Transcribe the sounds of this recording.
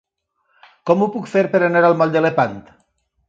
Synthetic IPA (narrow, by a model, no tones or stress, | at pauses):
kɔmupukfeɾpeɾaneɾalˠmɔld̪elepant̪